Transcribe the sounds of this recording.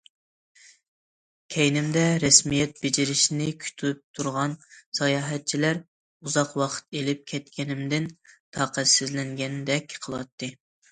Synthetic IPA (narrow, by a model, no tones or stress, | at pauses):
kʲʰɛjnɪmd̪ɛɾɛsmijɛt̪̚bed͡ʒiɾɪʃnɪkʲʰy̥t̪ʰp̚t̪ʰuɾʁɑnsɑjɑːɦɛt̪̚t͡ʃʰilæɾ | uzɑqwɑqʰə̥t̪elɪp̚kʲʰɛt̪̚kʲʰɛnɪmd̪ɪnt̪ʰɑːqæsɪzlɛŋɡʲɛnd̪ɛkʲqʰəlˠɑ̰t̪ːɨ